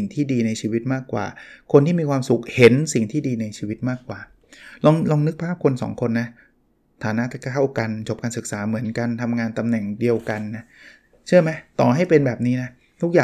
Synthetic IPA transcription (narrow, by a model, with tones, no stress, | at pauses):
ŋt̪ʰiː˥˩diː˧na˧jt͡ɕʰiː˧wi˦˥t̪̚maː˥˩kːwa̰ː˨˩kʰo˧nt̪ʰiː˥˩miː˧kʰwaː˧msu˨˩k̚he˩˦nsi˨˩ŋt̪ʰiː˥˩diː˧na˧jt͡ɕʰiː˧wi˦˥t̪̚maː˥˩kːwaː˨˩ | lɔ˧ŋlɔː˧ŋnɯ˦˥k̚pʰaː˥˩p̚kʰo˧nsɔ̰ː˩˦ŋkʰo˧nːa˦˥ | t̪ʰaː˩˦na˦˥t̪ʰa˥˩wka˧nt͡ɕʰo˨˩p̚kaː˧nsɯ˨˩k̚saː˩˦mɯ˩˦ənka˧nt̪ʰa˧mŋaː˧nt̪a˧mnɛ˨˩ŋdi˧əwka˧nːa˦˥ | t͡ɕʰa˥˩əjma˦˥jt̪ɔː˨˩ɦa˥˩jpe˧nbɛː˨˩p̚niː˦˥na˦˥ | t̪ʰu˦˥k̚jaː˨˩